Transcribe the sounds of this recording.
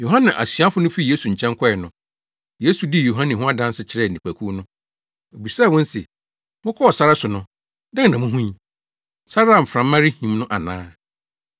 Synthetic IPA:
jo˨ɦã˦nã˨ʔa̰˨sɥa˦fʊ˦nʊ̃˦fi˦˨je˦su˨ɲ̩˨t͡ɕʰɛ̃˦ŋ˦kʰɔ˦ɛ˨nʊ̃˨ | je˦su˨di˦˨jo˨ɦã˦nɪ̃˨ɦʊ̃˦a˦dã˦n˦sɪ˦t͡ɕʰɪ˦ɾɛ˦˨n̩˨ĩ˨pʰæ˨kʰu˦nʊ̃˦ | o˨bi˨saː˦˨wɔ̃˦n˦se˨ | mʊ̃˦kʰɔ˦ɔ˨sa˦ɾa˦sʊ˨nʊ̃˦ | dã˦ŋ˨nã˨mʊ̃˦ɦũ˦ɲ˦ | sa˦ɾa˦˨m̩˨fɾã˨mːã˦ɾɪ˦hĩ˨mnʊ̃˦ʔa˨nã̰ː˦

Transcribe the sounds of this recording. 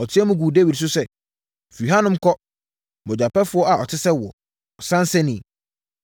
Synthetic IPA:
ɔ˨tʰɪ˦ɛ˦mũ˦ɡuː˨de˦wi˨ds̬ʊ˦sɛ˦˨ | fi˨u˨ɦa˦nʊ̃˦m̩˦kɔ˦ | bɔ˨d͡ʑᶣa˨pɛ˦fʊ˨˦ɔ˦a˨ɔ˨tʰɪ˦sɛ˦wɔ˨ | ɔ˨sã˦n˦sɛ˦nĩ˨

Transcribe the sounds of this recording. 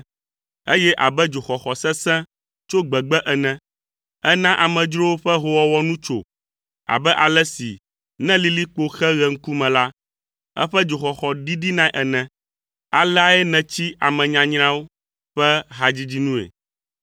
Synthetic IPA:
e˦jɛ˦ʔa˨bɛ˦d͡ʒo˨xɔ˨xɔ˨sɛ̃˦sɛ̃˦ | t͡ʃo˦ɡ͡bɛ˨ɡ͡bɛ˦ʔɛ˨nɛ̃˨ | ɛ˦nã˦ʔa˨mɛ̃˨d͡ʒɾo˦wo˦ɸɛ˦ɦo˦wa˦wɔ˦nũ˦t͡ʃo̰˨ | a̰˨bɛ˦ʔa˨lɛ˦si˨ | nɛ̃˦li˦li˦k͡po˦xɛ˦ɣɛ˨ŋ̩˦ku˦mɛ̃˨la˦ | ɛ̰˦ɸɛ˦d͡ʒo˨xɔ˨xɔ˨ɖi˦ɖi˦nã˦ʔɛ˨nɛ̃˨ | a˨lɛ˦a˨ɛ˦nɛ̃˨t͡ɕi˦a̰˨mɛ̃˨ɲã˨ɲɾã˦wo˦ | ɸɛ˦ɦa˨d͡ʑi˦d͡ʑi˦nũ˦ḛ˨

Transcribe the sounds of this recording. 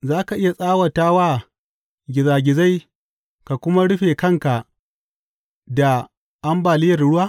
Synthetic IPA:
zaː˦ka˨ʔɪ˦ja˨sʼaː˦wɐ˨taː˦waː˦ | ɡʲɪ˨zaː˨ɡʲɪ˨za˦j | ka˨kʷʊ˦ma˦ɽʊ˦ɸeː˨kɐ˦ŋka˨ | da˨ | ʔa˦mbaː˨lɪ˦jɐ˨rɽʊ˦waː˦

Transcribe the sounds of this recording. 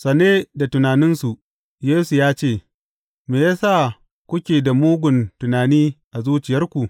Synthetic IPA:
sɐ˨neː˦da˨tʊ˨naː˨nɪ˦nsu˨ | jeː˦su˨jaː˦t͡ʃeː˦˨ | meː˨jaː˦sa˦˨ | kʷʊ˦kʲeː˨da˨muː˦ɡʷʊ˨ntʊ˨naː˨niː˦ʔa˨zuː˦t͡ʃɪ˨jɐ˦rkʷu˨ʔ

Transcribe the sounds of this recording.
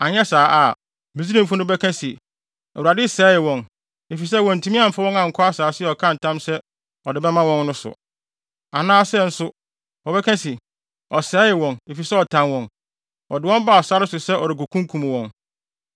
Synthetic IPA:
a˨ɲɛ˦saː˨˦ʔa˨ | mĩ˨z̬i˦ɾĩ˦m̩˨fʊ˦nʊ̃˦bɛ˦kʰɛ̃˦si˨ | ɛ˨wu˨ɾa˨dɪ˦sɛː˨˦jɪ˨wɔ̃˨n | e˨fi˨s̬ɛ˦˨wɔ̃˨n̩˨tʰũ˦mĩ˦ã˦m̩˨fa˦wɔ̃˦ŋã˨ŋ̩˨kʰɔ˦a˦saː˨˦sɪ˦ɛ˨ɔ˨kʰã˦n̩˨tʰã˦msɛ˦ | ɔ˨dɪ˨bɛ˦mã˦wɔ̃˦n˦nʊ̃˦sʊ̰˨ | a˨nãː˦sɛ˦n̩˦sʊ˦ | wɔ˨bɛ˦kʰɛ̃˦si˨ | ɔ˨sɛː˨˦jɪ˨wɔ̃˨ne˨fi˨sɛ˦ɔ˨tʰã˨nwɔ̃˨n | ɔ˨dɪ˨wɔ̃˦m˦ba˦˨ɔ˨sa˦ɾɪ˦sʊ˨sɛ˦ʔɔ˨ɾɪ˨k̬o˨kʰũ˦ŋkʰũ˨m˨wɔ̃˨n

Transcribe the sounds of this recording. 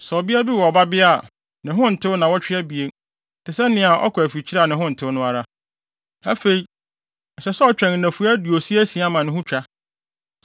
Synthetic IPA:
sɔ˨bɪ˦a˦bi˦wɔ˨ba˦bɪ˦a˦˨ | nɪ̃˨ɦʊ̃˦n̩˨tʰɪ˦wʊ˦nã˨wɔ˦t͡ɕᶣɪ˦æ˦bi˨e˨ | tʰɪ˨sɛ˦nɪ̃˨˦a˨ʔɔ̰˦kʰɔ˨æ˨fi˨t͡ɕʰi˦ɾa˦˨nɪ̃˨ɦʊ̃˦n̩˨tʰɪ˦wʊ˦nʊ̃˦a˨ɾa˦ | æ˦fe˨i˦ | n̩˨sɛ˨sɛ˦ɔ˦t͡ɕᶣɾɛ̃˨ŋ˨næ̃˨fu˦æ˦du˨o˨si˦æ˦sĩ˨a˦mã˨nɪ̃˦ɦʊ̃˦t͡ɕᶣa˦

